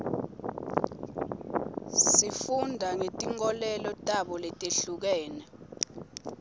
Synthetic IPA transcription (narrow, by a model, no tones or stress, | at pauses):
ssifundʱaŋetʼiŋɔlɛlɔtʼaɓɔlɛtʼeɬuk̬ɛːnɛ